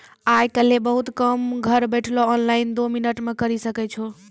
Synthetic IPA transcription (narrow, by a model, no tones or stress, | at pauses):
ajkəlebəɦut̪kəmɡʱəɾbɛʈʰloːnlajind̪ominəʈmekəɾisəkɛt͡ʃʰo